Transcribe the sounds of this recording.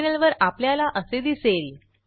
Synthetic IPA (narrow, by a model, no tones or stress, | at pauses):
nəlʋəɾapljalaʔəsed̪isel